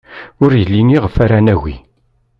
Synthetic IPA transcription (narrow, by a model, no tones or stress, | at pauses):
ʊɾjəlːiniʁəfæɾanæɣḭ